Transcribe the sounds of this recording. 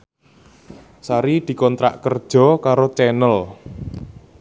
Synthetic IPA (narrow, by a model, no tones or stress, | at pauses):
saɾid̪̥i̤kɔnt̪ɾa̰ʔkərd̥ʒ̥ɔ̤kaɾot͡ʃɛnəl